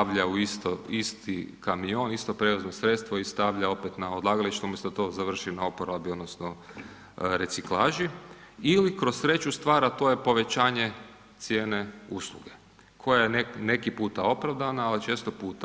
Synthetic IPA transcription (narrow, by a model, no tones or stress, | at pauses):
aʋʎauist̪oist̪ikamio̞ːnist̪o̞pɾe̞uznosɾe̞t̪st̪ʋoist̪aʋʎao̞pet̪naod̪lˠaːɡalit͡ʃt̪omosot̪o̞ːzaʋr̩ʃinaopoɾaabiod̪nosno | ɾe̞t̪siklˠaːʒiilikɾo̞ssɾe̞t͡ʃust̪ʋaːɾat̪o̞jepo̞ʋe̞t͡ɕaːɲe̞ | t̪sje̞ːne̞uslˠṵɡe̞ | kʰo̞jajenene̞kipuːt̪ao̞pɾaʋd̪anaːlit͡ʃeːst̪opuːt̪a